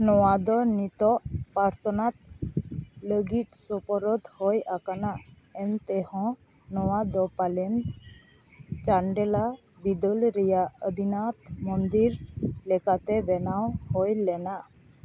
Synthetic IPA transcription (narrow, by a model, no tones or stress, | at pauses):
nɔwad̪ɔnit̪ɔʔpaɾt͡ʃɔnat̪̚ | ləɡit̪̚sɔpɔɾɔd̪hɔjakanaʔ | ɛnt̪ɛhɔ̃ | nɔwad̪ɔpalɛn | t͡ʃaɳɖɛla | bid̪əlɾɛjaʔəd̪inat̪mɔnd̪iɾlɛkat̪ɛbɛnawhɔjlɛnaʔ